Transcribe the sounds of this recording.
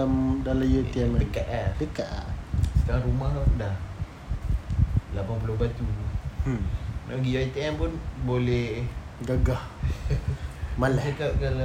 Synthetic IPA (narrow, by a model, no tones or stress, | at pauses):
amdalajoianaəkaʔ̪adəkaʔ̪a̰sə̥kaɾaŋɾumahapudah | lapanp̬ulohbat̪u | naɡijoit̪iɛmpunbolɛɡaɡah | malaəkap̚kala